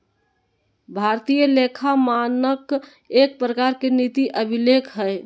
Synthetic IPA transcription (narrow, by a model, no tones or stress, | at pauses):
bʱaɾt̪ijəlekʰamanək | ek̚pɾəkaɾkenit̪iʔəbʱilekʰɦəe